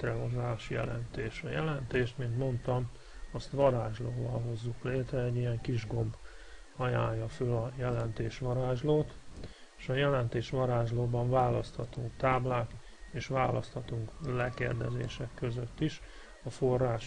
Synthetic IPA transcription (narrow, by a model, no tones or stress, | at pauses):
t̪rɛɦozaːʃjɛ̰lɛ̰nt̪eːʃɒjɛlɛnt̪eːʃt̪mint̪mo̞nt̪ɒm | ɒst̪ʋɒɾaːʒloːvɒlɦo̞zːukleːt̪rɛɛɟːijɛŋkiʒɡo̞mb | ɒja̰ːɲːɒføːlɒjɛlɛnt̪eːʃʋɒɾaːʒloːt̪ | eːʃɒjɛlɛnt̪eːʃʋɒɾaːʒloːbɒɱvaːlɒst̪hɒt̪oːt̪aːblaːk | eːʃʋaːlʔɒst̪hɒt̪uŋklɛkḛːrd̪ɛzḛːʃɛkːø̞zøt̪ːiʃ | ɒfo̞rːaːʃ